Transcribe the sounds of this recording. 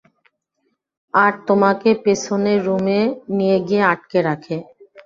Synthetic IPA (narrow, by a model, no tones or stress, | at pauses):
aɾt̪omakepet͡ɕʰoneɾːumenijeɡijeaʈ̚keɾakʰe